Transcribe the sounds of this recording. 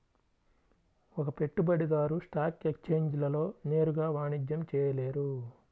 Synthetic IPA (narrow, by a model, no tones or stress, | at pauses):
ɔkɐpe̞ʈːubɐɽid̪aːɾusʈaːkekt͡ʃe̞ːɲd͡ʒlɐlo̞ːne̞ːɾuɡaːʋaːɳid͡ʒjɐmt͡ʃɛːjɐle̞ːɾu